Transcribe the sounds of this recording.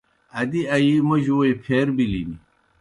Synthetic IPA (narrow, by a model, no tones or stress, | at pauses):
ɐd̪iɐjimɐʑwoipʰeːɾbilini